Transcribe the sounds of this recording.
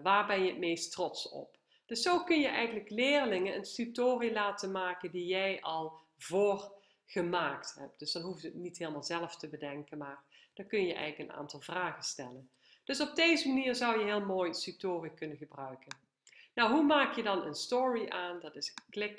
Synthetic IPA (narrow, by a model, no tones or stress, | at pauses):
ʋaːɹbɛnjəətmejstrɔtsɔ̰p | d̥ɵsːowkɵnjəʔɛjɣənləklɪːrlɪŋənənstytoːrilaːtənmaːkəndijɛjʔɑlˠ | voːr | ɣəmaːktɦɛp̚d̥ɵsd̥ɑnɦuftətnitɦeːləmaːlˠzɛlˠəftəbədɛŋkənmaːrd̥ɑkɵnjəʔɛ̰jɣləkəna̰ːntɑlˠvraːɣənstɛlən | d̥ɵsɔb̚dejzəmaniːɹzʌwjəɦɪːlˠmoːjsytoːrikɵnəɣəbrœɥkən | nɔwɦumaːkjədɑnə̰nstoːɹiʔaːndɑtɪsklɪk